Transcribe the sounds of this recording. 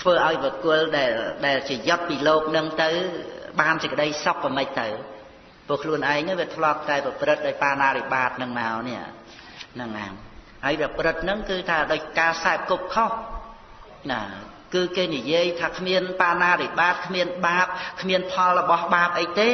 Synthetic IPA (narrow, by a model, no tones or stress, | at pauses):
t̪ʰʋəːʔaɔjpɔkʊəlɗaɛlɗaɛlt͡ɕiəjot̪̚piːloːk̚nɨŋt̪ɨwɓaːnsəkəɗəjsok̚ːəmɨc̚t̪ɨw | pʊəkʰluənʔaɛŋaʋiət̪ʰlŏəp̚t̪aɛprɑprɨt̪̚ɗaɔːj̚paːnaːɾiɓaːt̪̚nɨŋmaɔnɛ̆əʔ | nɨŋʔa̰ːm | haəjprɑprɨt̪̚nɨŋkɨːt̪ʰaːɗaɔc̚kaːsaɛp̚kup̚kʰoh | na | kɨːkeːnijiəjt̪ʰaːkʰmiənpaːnaːɾiɓaːt̪̚kʰmiənɓaːp̚kʰmiənpʰɑlrɔɓɑhɓaːp̚ʔəjt̪eː